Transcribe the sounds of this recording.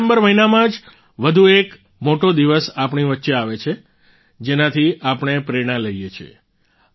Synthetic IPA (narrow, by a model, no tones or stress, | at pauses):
mbəɾʋəɦinamãd͡ʒ | ʋəd̪ʱuek | moʈod̪iʋəsapɳ̃iʋətːʃeaʋet͡ʃʰe | d͡ʒenãt̪ʰiapɽ̃epɾeɽ̃ãləijet͡ʃʰiḛ